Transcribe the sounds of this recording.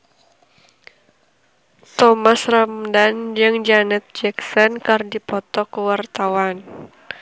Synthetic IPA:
t̪ɔmasramdand͡ʒɨŋd͡ʒanɛt̪̚d͡ʒɛksɔnkardipɔt̪ɔkəwart̪awan

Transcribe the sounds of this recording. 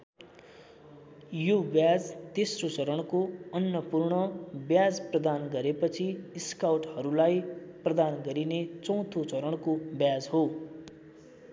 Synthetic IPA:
jobjad͡zt̪esrot͡sʌɾʌɽ̃koʌnjʌpurɳʌbjad͡zprʌd̪anɡʌɾepʌt͡sʰiiskawʈhʌɾulajprʌd̪anɡʌɾinet͡sʌ̃w̃t̪ʰot͡sʌɾʌɽkobjad͡zɦo

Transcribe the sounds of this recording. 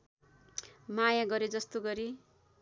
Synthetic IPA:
majaɡʌɾed͡zʌst̪oɡʌɾi

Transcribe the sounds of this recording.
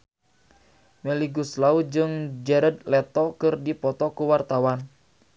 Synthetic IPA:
mɛliɡuslaud͡ʒɨŋd͡ʒɛɾəd̪lɛt̪ɔkɨrdipɔt̪ɔkuwart̪awan

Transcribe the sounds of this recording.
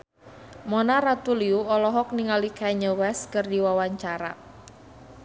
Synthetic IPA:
mɔnaɾat̪uliuɔlɔɦɔk̚niŋalikaɲəwɛskərdiwawaɲt͡ʃaɾa̰

